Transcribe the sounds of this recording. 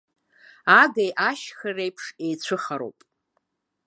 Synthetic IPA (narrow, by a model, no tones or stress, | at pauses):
aɡejʔaʃxɨrejpʰʂe̞jt͡ɕʷʰɨχaɾo̰pʼ